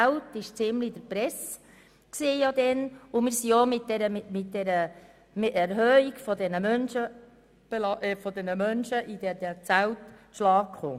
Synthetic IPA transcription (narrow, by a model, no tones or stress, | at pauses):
t͡sæltɪʃt͡sɪmlid̥̪əɾpɾɛs | ksiːjod̪ɛnʊmɪːɾsiomɪt̚dɛɾəmmɪt̚dɛɾə | mɪæɾɦœːiɡfɔd̪ɛnəmœnʃə | b̥elɑʔfɔd̪ɛnəmœnʃəʔid̥̪ɛɾdɛt͡sæwtʃlɑːkkχo̰ː